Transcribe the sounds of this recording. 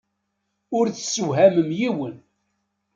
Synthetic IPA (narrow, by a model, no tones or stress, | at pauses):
ʊɾθsːəwɦæməmjiwən